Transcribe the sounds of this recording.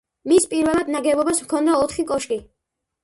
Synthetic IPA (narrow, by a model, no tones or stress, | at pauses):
mispʼiɾvɛlˠad̪naɡɛbɔbasmkʰɔnd̪aɔt̪ʰχikʼɔʃkʼi